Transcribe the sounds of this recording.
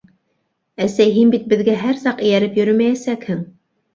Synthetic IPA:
æsæjɦinbit̪̚bɘ̆ðɡæɦæɾsɑqɘ̆jæɾɘpjɵ̆ɾɵmæjæsækhɘŋ

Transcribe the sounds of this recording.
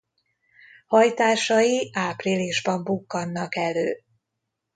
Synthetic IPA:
hɒjt̪aːʃɒjiʔaːpriliʒbɒmbukːɒnːɒkɛløː

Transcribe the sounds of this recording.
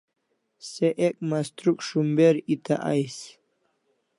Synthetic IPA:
seʔek̚mast̪ɾukʂumbeɾit̪aʔa̰js

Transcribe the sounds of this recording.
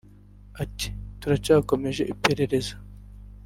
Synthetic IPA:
at̪i̥t̪uɾat͡ʃaːko̞me̞ʒe̞ʔipe̞ɾeɾe̞zḁ

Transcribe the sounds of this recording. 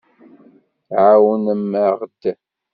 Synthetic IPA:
ʕawənəmːaʁd̪̥a

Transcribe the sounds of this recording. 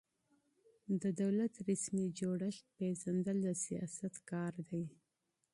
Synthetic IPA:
d̪əd̪awlat̪ɾasmid͡ʒoɽəʃ̚peʒand̪əld̪əsijɑ̰sat̪kɑɾd̪aj

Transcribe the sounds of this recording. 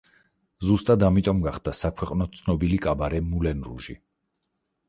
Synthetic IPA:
zust̪ʼad̪amit̪ʼɔmɡaχd̪asakʰwɛqʼnɔt̪sʰnɔbilikʼabaɾɛmulɛnɾṵʒḭ

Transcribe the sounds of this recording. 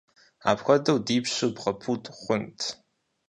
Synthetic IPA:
a̰ːpxʷɔdɐwdiːpɕɨbʁɐpʰutʼχʷʊntʰ

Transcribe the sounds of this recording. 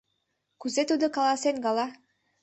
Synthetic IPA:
kʉzet̪ud̪ɤkalˠasenɡɑlˠɑ

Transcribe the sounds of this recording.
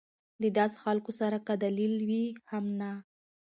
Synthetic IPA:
d̪əd̪ɑsxalkosaɾakad̪alilwihamna

